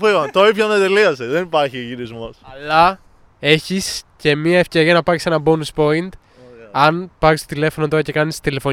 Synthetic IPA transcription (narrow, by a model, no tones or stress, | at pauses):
fivɐnt̪oipçonet̪eliɐseðenipɐɾçiʝiɾizmosɐlɐ | e̞çisce̞miɐe̞fce̞ɾiɐnɐpɐɾise̞nɐbo̞nuspo̞int̪ | ɐnpɐɾist̪o̞t̪ile̞fonot̪o̞ɾɐce̞kɐnist̪ile̞fo̞